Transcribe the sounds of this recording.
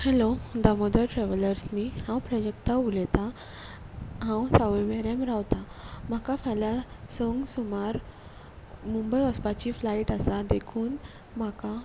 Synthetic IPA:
hɛlod̪amod̪əʈɾɛʋələɾsnihãwpɾəd͡ʑekt̪aulɛt̪a | ɦãwsaʋeʋeɾemɾawt̪am̤akafalasəŋɡsumaɾ | mumbəjʋəspat͡ɕiflaiʈasad̪ekʰuːn | m̤aka

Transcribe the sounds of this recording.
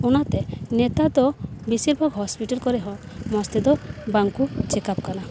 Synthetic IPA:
unat̪ɛnet̪ad̪ɔbisiɾbʱɔɡɦɔspiʈɔlkɔɾɛɦɔ | mɔst̪ɛd̪ɔbaŋkut͡ʃekap̚kala

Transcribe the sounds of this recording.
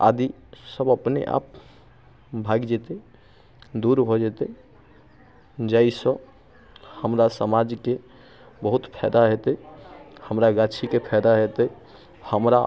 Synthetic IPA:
a̰d̪i | səbəpneʔa̰p̚ | bʱaɡd͡ʒɛt̪e | d̪uɾbʱɔd͡ʒɛt̪ɛ | d͡ʒaisə̃ | həmɾasəmad͡ʒke | bəɦut̪pʰɛ̰d̪aɦet̪ɛhəmɾaɡat͡ʃʰikepʰɛd̪aɦet̪ɛ | həmɾa

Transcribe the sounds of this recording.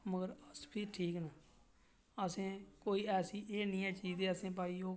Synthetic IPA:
məɡəɾəspʰiːʈʰiːkna | əsẽːkoːiːɛːsiːʔeːnĩːãːt͡ʃiːzeːəsẽːp̬aːiːoː

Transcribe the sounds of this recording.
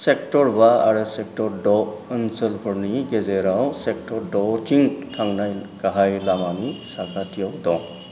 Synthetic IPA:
sek̚tɔɾbaa̰ɾɯsek̚tɔɾdɔənsəlkʰɔɾniɡezeɾawsek̚tʰɔɾdɔtʰiŋtʰaŋnajɡaɦajlamanisakʰatʰijawdɔŋ

